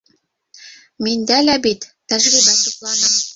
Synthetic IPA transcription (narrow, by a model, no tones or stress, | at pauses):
mʲinʲd̪ælʲæbit̪ʲːæʒlʲibæt̪iklˠɑnɤ̆m